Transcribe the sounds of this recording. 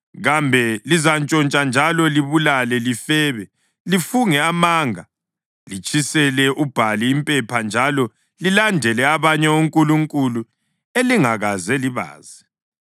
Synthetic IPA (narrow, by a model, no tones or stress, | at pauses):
ɣambʱɛlizant͡ʃʼɔnt͡ʃʼand͡ʒʱalɔliβulalɛlifɛːβɛ | lifuŋɛamaːŋa | lit͡ʃʼisɛlɛʔub̥ʱaliːmpʼɛpʰand͡ʒʱalɔ | lilandʱɛlɛaβaɲɛuŋkʼuluŋkʼulu | eliŋaɣazɛliβa̰ːzɛ